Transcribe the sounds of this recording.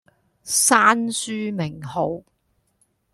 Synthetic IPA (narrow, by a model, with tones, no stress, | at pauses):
saː˥nsyː˥mɪ˨˩ŋho˨˧w